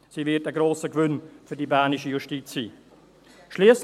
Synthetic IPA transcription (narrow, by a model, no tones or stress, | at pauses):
siːvɪtəɡɾoːsəkvʏnfydibaːnɪʃəjuʃtit͡sːiː | ʃliəs